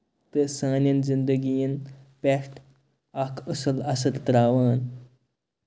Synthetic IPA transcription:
t̪əsaːnjɐnzind̪əɡijinpɛʂʈ | akʰəsəlasət̪t̪ɾaʋaːn

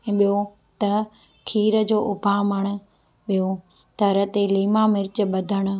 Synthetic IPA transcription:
ɛ̃ːɓijo | t̪ɐ | kʰiːɾəd͡ʑoːʔʊbʱaməɽ̃ə̆ | ɓijo | t̪ɐɾət̪eliːmamɪɾɪt͡ɕɓɐd̪ʱəɽ̃̆

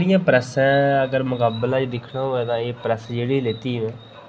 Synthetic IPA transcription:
ɽɪjãːpɾəsɛ̃ːəɡəɾmʊkaːbəlãːt͡ʃd̪ɪkʰɳaːɦoːɛːt̪ãːeːpɾəsd͡ʒeːɽileːt̪iːɦʋɛ̃ː

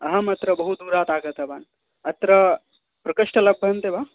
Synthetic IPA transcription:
ɐɦɐmɐt̪ɾɐbɐɦud̪uːɾaːt̪aːɡɐt̪ɐbaːn | ɐt̪ɾɐ | pɾɐkɐʂʈɐlɐbʱːɐnt̪ebaː

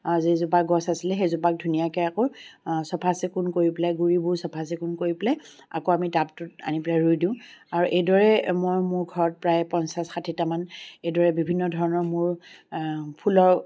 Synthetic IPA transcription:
zezupak̚ɡɔsasilɛxezupak̚dʱunijakɛakosɔpʰasɛkʊnkoɹiplaɡuɹibʊɹsɔpʰasɛkʊnkoɹiplaj | a̰koamitaptʊta̰nipɹajɹujdĩʊ̃aɹuʔejdɔɹɛmɔjmʊɹɡʱɔɹɔt̚pɹajpɔnsasxatʰitamanejdɔɹɛbibʱinːɔdʱɔɹɔnɔɹmʊɹ | pʰulɔɹ

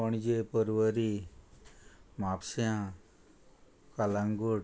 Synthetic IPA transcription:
əɳ̃d͡ʒepəɾʋəɾi | mapsjã | kalaŋɡoɽ

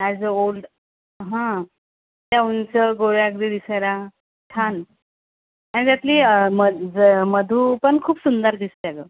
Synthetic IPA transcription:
ajd͡zəolɖ | ɦã | t̪jaunt͡səɡoɾakd̪id̪isəjɾa | ʈʰan | añid͡z̪at̪liːməd͡zəməd̪ʱuːpəɳkʰuːpsund̪əɾd̪ist̪əalə̰

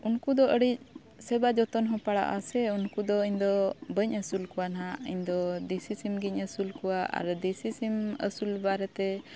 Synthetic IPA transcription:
unkud̪ɔʔəɽic̚ | sɛbad͡ʒɔt̪ɔnɦɔ̃paɽa̰ʔasɛunkud̪ɔiɲd̪ɔbəɲəsulkɔwanaʔiɲd̪ɔd̪isisimɡiɲəsulkuwaʔa̰ɾd̪isisimə̰sulbaɾɛt̪ɛ

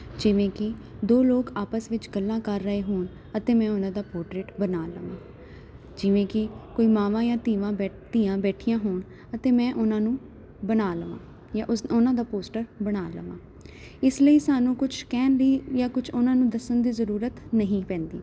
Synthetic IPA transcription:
d͡ʒɪʋẽːkɪ | d̪oːloːkaːpəsʋɪt͡ʃɡəlːãːkəɾːəeːɦoːɳ | ət̪ẽːmɛ̃ːʊnãːd̪aːpoːɾʈɾeːʈbənaːləʋã̰ː | d͡ʒɪʋẽːkɪkoːiːmaːʋãːjãːt̪iːʋãː | t̪iːãːbɛːʈʰijãːɦoːɳ | ət̪eːmɛ̃ːʔʊnãːnũː | bənaːləʋã̰ː | jãːʔʊnãːd̪aːpoːsʈəɾbəɽaːlə̰ʋãː | ɪsləiːsaːnũːkʊt͡ʃʰkɛːnɾiːjãːkʊt͡ʃʰʊnãːnũːd̪əsənd̪iːzəɾuːɾət̪nəɦĩːpɛ̃ːnd̪ḭː

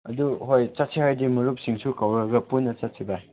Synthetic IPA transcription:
ɐduɦojt͡ʃɐt̚sʰihajdimɐɾup̚siŋsʰukawɾɐɡɐpunːɐt͡ʃɐtsʰiba

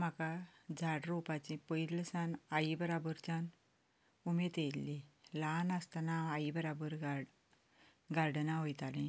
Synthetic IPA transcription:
m̤akad͡zʱaɽɾopat͡ɕĩpəiɾləsanaibəɾabəɾt͡ɕan | umet̪elːilanəst̪anaaibəɾabəɾɡa | ɡaɾɖnaɦojt̪alĩ

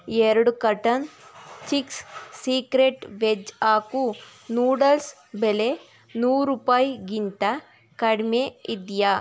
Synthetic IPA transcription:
eɾɐɽukɐʈɐnt͡ʃikssiːkɾeʈʋed͡ʒaːkunuːɽɐls | bele | nuːɾupaːjɡint̪ɐ | kɐɽmeid̪ja

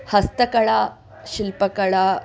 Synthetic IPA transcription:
hɐst̪əkɐɭa | ɕilpəkɐɭa

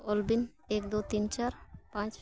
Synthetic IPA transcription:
ɔlbin | ek̚d̪ot̪int͡ʃaɾpãt͡ʃ

